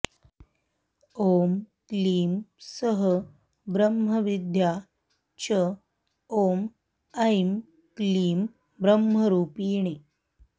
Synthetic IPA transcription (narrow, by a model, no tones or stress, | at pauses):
om | kliːmsəɦə | bɾəmɦəʋid̪ʱja | t͡ɕə | om | əjm | kliːm | bɾəmɦəɾuːpiːɳ̃i